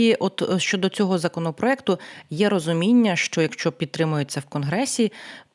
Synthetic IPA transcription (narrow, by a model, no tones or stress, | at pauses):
iʔɔt̪ʃt͡ʃɔd̪ɔt͡sʲɔɦɔzɐkɔnɔpɾɔɛkt̪ʊjɛɾɔzʊmʲinʲːɐʃt͡ʃɔjɐkʃt͡ʃɔpʲid̪̚t̪ɾɪmʊjet͡sʲːɐwkɔnɦɾɛsʲi